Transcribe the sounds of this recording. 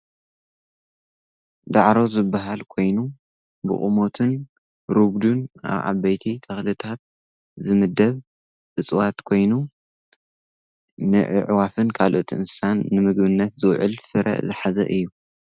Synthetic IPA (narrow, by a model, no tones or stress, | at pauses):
d̪aʕɾo̞zɨbːaɦalkʰo̞jnu | bɨ̰χʼumo̞t̪ʰɨn | ɾubd̪una̰βʔa̰βɐjt̪ʰit̪ʰɐxlɨt̪ʰat̪̚ | zɨmɨd̪ːɐβ | ʔɨt͡sʼwat̪kʰo̞jnu | nɨʕɨ̰ʕwafɨnkʰalʔo̞t̪ʰʔɨnsanːɨmɨɡbɨnːɐt̪zɨwʕɨlfɨɾʔɐ̰ʔzɨħazɐ̰ʔɨjːu